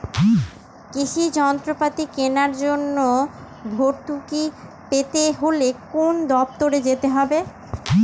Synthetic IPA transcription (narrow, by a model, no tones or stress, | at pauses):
kiʃid͡ʑɔnt̪ɾopat̪ikenaɾd͡ʑonːo | bʱoʈʈuki | pet̪eɦolekond̪ɔb̚t̪oɾed͡ʑet̪eɦɔbe